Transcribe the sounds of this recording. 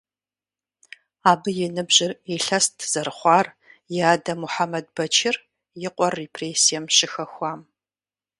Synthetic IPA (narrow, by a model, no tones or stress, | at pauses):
aːbɨjɪnɨbʑɪreɬɐstʰz̥ɐɾχʷɑːr | jɪaːdɐmuħamɐd̚b̥ɐt͡ʃʰɪr | jɪqʷɔrːepʰreːsijɛmɕɪxɐxʷɑːm